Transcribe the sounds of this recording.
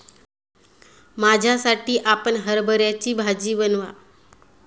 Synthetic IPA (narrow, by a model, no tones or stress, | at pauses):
mad͡ʑʱjasaʈiːʔapəɳɦəɾbʱəɾjat͡ɕiːbʱad͡ʑiːbənʋa